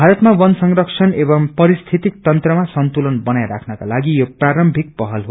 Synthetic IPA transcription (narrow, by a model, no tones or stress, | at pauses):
bʱaɾʌt̪mawʌnsʌŋrʌksʰʌnebʌmpʌɾist̪ʰit̪ik̚t̪ʌnt̪rʌmasʌnt̪ulʌnbʌnajɾakʰnʌkalaɡijopraɾʌmbʱik̚pʌɦʌlɦo